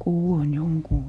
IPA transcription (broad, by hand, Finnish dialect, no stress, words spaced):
kuwoin joŋkuː